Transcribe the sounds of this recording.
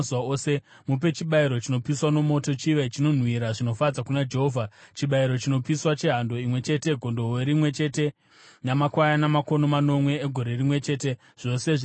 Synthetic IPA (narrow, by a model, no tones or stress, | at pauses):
zuwaoːse̞ | mup̬e̞t͡ʃiɓaiɾo̞t͡ʃino̞piswano̞mo̞to̞t͡ʃiʋet͡ʃino̞n̤wiɾaʐino̞fad͡zakunad͡ʒe̞ɦoːvʱat͡ʃiɓaiɾo̞t͡ʃino̞piswat͡ʃe̞ɦando̞imwe̞t͡ʃe̞te̞ɡʱo̞ndo̞weɾimwe̞t͡ʃe̞ːte̞ | namakwajanamako̞no̞mano̞mwe̞eɡʱo̞ɾe̞rimwe̞t͡ʃe̞ːte̞ | ʐ̥o̞se̞ʐ